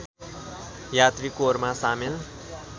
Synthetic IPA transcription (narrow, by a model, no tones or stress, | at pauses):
jat̪ɾikoːɾmasamil